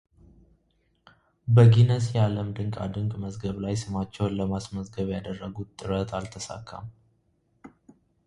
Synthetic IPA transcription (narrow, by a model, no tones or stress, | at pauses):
bəɡinəs̬jɛaləmd̪ɨŋkʼa̰d̪ɨŋkʼməzɡəβlajsɨmat͡ʃːɛwnləmasməzɡəβjad̪ərːəɡut̪ʼːɨɾət̪ʰalt̪ʰəsa̰kʰːa̰m